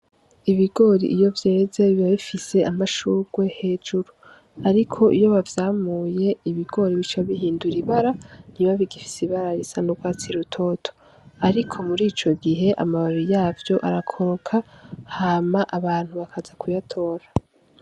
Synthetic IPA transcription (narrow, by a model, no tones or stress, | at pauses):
iβiɡo̞ːɾḭʔijo̞vje̞ːze̞βiβaβifise̞ʔamaʃuːɡ̥we̞he̞ːd͡ʒuɾu | aɾikʰo̞ʔijo̞βavjaːmuːje̞iβiɡo̞ːɾiβit͡ʃaβiɦiːnduɾiβaɾan̥iβaβiɡifi̥siβaɾaɾisanoɡwaːt͡siɾutʰo̞ːtʰo̥ | aɾikʰo̞muɾiːt͡ʃo̞ɡiɦe̞ʔa̰maβaɾijaːvjo̞ʔaɾakʰo̞ɾokʰahaːmaʔaβaːn̥huβakʰazakʰujatʰo̞ːɾa